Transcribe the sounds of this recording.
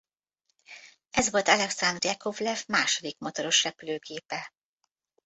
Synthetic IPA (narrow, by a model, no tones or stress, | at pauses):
ɛzʋo̞lt̪ɑlɛksand̪rɛkovlɛfmaːʃo̞d̪ikmot̪oɾo̞ʃrɛpyløːkʰeːpɛ